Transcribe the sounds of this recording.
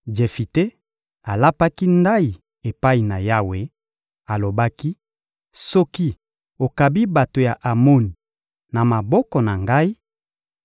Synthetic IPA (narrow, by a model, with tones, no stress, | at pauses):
d͡ʒe˨fi˨te˦ | a˨la˦pa˦ki˦nda˦i˨ | e˨pa˦i˨na˨ja˦we˨ | a˨lo˨ba˦ki˦ | sɔ˦ki˦ | o˨ka˨bi˦ba˨to˨ja˨ʔa˨mo˦ni˨ | na˨ma˨bɔ˦kɔ˨na˨ŋɡa˦i˦